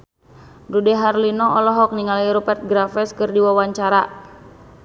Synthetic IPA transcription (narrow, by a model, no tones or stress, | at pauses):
dudɛɦarlinɔɔlɔɦɔk̚niŋaliɾɔpɛrt̪̚ɡɾafɛskɨrdiwawaɲt͡ʃaɾa